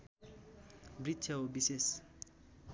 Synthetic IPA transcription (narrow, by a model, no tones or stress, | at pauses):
bɾitt͡ʃʰʌobises